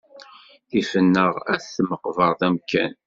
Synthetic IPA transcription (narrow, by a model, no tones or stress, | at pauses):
θifənːəʁæθθməqvəɾˤðæmkæ̰n